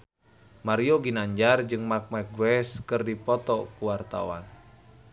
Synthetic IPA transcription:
maɾioɡinaɲd͡ʒard͡ʒɨŋmak̚mak̚ɡuwɛskɨrdipɔt̪ɔkuwart̪a̰wa̰n

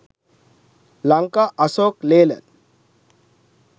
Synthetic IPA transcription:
laŋkaʔɐsoːkleːlə̰n

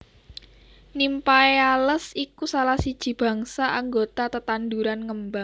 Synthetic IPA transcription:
nimpajaləsikusalahsid̥ʒ̥i̤b̥ä̤ŋsaʔaŋɡot̪at̪ət̪and̪uɾanŋəmba

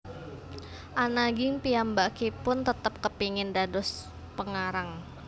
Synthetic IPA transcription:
ʔanaɡɪŋpiambakipʊnt̪ət̪əp̚kəpiŋɪndadɔs | pəŋaɾaŋ

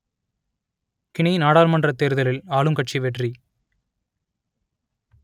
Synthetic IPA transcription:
kɪɳɐjnaːɽaːlmɐndrɐt̪ːeːɾɯðɐlɪlaːlɯmkɐʈt͡ʃiʋɛʈri

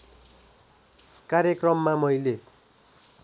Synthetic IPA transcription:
kaɾjʌkrʌmːamʌijle

